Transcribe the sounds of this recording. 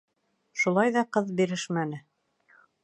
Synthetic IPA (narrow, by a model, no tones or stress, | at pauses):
ʃulˠɑjðɑqɤðbiɾɘʃmænɘ